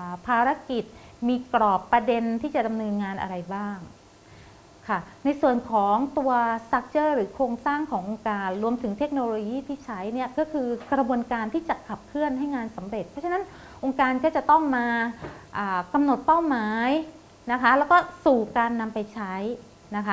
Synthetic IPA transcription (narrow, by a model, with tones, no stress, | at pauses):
ʔpʰaː˧ɾa˦˥ki˨˩t̪̚ | miː˧kɾɔː˨˩pːɾa˧de˧nt̪ʰiː˥˩t͡ɕa˨˩da˧mnɤː˧nŋaː˧nʔa̰˧ɾa˧jbaː˥˩ŋ | kʰa˥˩na˧jsu˨˩ənkʰɔː˩˦ŋt̪u˧ɐsa˦˥k̚t͡ɕɤː˥˩ɾɯː˩˦kʰoː˧ŋsaː˥˩ŋkʰɔː˩˦ŋʔo˧ŋkaː˧nɾu˧əmt̪ʰɯ˩˦ŋt̪ʰe˦˥k̚noː˧loː˧jiː˥˩t̪ʰiː˥˩t͡ɕʰa˦˥jni˦˥˩ɐəkɔ˥˩kʰɯː˧kɾa˧bu˧ənkaː˧nt̪ʰiː˥˩t͡ɕa˨˩kʰa˨˩p̚kʰɯ˥˩ənɦa˥˩jŋaː˧nsa˩˦mɾe˨˩t̪̚pʰːɔ˦˥a˧na˦˥n | ʔo˧ŋkaː˧nkɔː˥˩t͡ɕa˨˩t̪ɔ˥˩ŋmaː˧ʔaː˨˩ka˧mno˨˩t̪̚pa˥˩wmaː˩˦j | na˦˥kʰa˦˥lɛː˦˥wkɔː˥˩suː˨˩kaː˧nːa˧mpa˧jt͡ɕʰa˦˥j | na˦˥kʰa˦˥